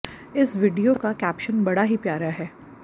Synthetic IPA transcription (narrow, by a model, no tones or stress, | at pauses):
ɪsʋɪɖijokakɛːpʃənbɐɽaɦipjaːɾaɦɛː